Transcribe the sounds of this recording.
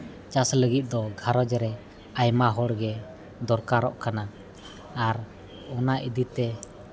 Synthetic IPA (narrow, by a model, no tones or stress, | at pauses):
t͡ʃasləɡit̪̚ˀd̪ɔɡʱaɾɔd͡ʒɾɛ | ajmaɦɔɽɡɛ | d̪ɔɾkaɾɔ̰ʔkanaː | ɾ | ɔnaʔid̪it̪ɛ